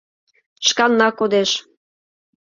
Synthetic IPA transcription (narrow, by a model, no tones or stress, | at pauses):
ʃkɑnːɑkod̪eʃ